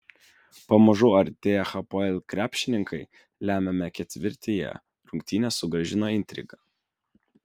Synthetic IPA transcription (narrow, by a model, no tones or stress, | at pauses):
pɐmɐʒuːɐɾʲt̪ʲeːjɛxɐpoɛlʲkɾʲæːpʲʃʲɪnʲɪŋkʰɐɪ | lʲæːmʲɛmʲɛkʲɛt̪ʲʋʲɪɾʲt̪ʲeːjɛ̰ | ɾʊŋʲk̚ʲt̪ʲinʲɛːsʊɡɾɐʒʲɪnoːɪnʲt̪ʲɾʲɪ̰ɡɐ